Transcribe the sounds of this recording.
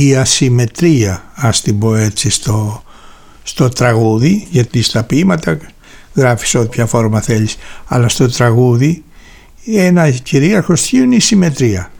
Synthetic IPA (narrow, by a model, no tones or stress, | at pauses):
iɐsime̞t̪ɾiɐɐst̪ibo̞e̞t͡sist̪o̞ | st̪o̞t̪ɾɐɣuðiʝɐt̪ist̪ɐpimɐt̪ɐ | ɣɾɐfi̥sot̪ipçɐfo̞ɾmɐθe̞ʎisɐlɐst̪o̞t̪ɾɐɣuði | enɐciɾiɐɾxosçiuinisime̞t̪ɾiɐ